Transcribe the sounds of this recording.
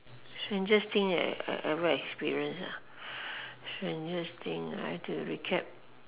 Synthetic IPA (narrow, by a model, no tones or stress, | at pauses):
sɛ̃nd͡ʒast̪ĩŋa̰ʔɛvəɛkspiɹiə̃nsa̰ | sɛ̃nd͡ʒast̪ĩŋa̰jtʰuɹikʰɛp̚